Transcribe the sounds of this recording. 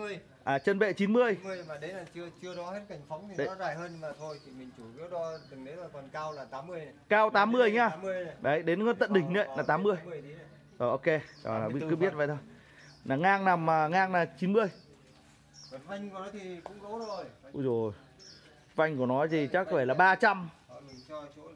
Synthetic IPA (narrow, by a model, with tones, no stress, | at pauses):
əj | ʔaː˨˩t͡ɕə˧nvḛ˧˨t͡ɕi˨˦nmɨ˧əjəjmaː˨˩ɗə˨˦laː˨˩t͡ɕɨ˧ət͡ɕɨ˧əɗɔ˨˦he˦˥t̚ka˧˩jŋ̟fa˨˦wŋ͡mt̪ʰi˨˦ɔ˨˦zaː˨˧˩jɦəː˧nmaː˨˩t̪ʰo˧jt̪ʰi˨˩mï˨˩ŋ̟t͡ɕu˧˩ku˦˥t̚ɗɔ˨˦t̪ɨ˨˩ŋɗe˨˦laː˨˩kɔ˨˩nkaː˧wlaː˨˩t̪aː˨˦mːɨ˧əjkaː˧wt̪aː˨˦mːɨ˧əjɲaː˧˩˦əɗə˨˦jɗe˨˦nkə˧˦nt̪ə̰˧˨nɗï˩ŋ̟nə̰˧˨jlaː˨˩t̪aː˨˦mːɨ˧əjj | ʔoː˨˩ʔo˧ke˧ɔ̰˨˩aː˨˩˦kkɨ˨˦ɓi˦˥ət̚və̰˧˨jt̪ʰo˧j | naː˨˩ŋaː˧ŋna˨˩maː˨˩ŋaː˧ŋnaː˨˩t͡ɕi˨˦nmɨ˧əj | a˧jŋku˧˩ɔ˨˦t̪ʰi˨˩kʊ̰˧˥ŋ͡mɣə˨˦wu˧zo˨˩j | va˧jŋ̟ku˧˩ənɔ˨˦jzi˨˩t͡ɕa˦˥k̚ːɔ˦ve˧˩laː˨˩ɓaː˧t͡ɕa˧m˨˦˨